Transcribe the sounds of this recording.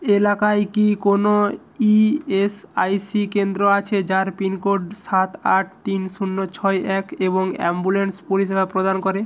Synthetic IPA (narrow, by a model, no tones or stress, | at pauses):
elakajkikono | iesajsikend̪ɾoat͡ɕʰed͡ʑaɾpinkoɾɖsat̪aʈ̚ʰt̪inʃunːot͡ɕʰɔjɛkeboŋɛ̰mbulenspuliʃ̬ebapɾod̪ankoɾe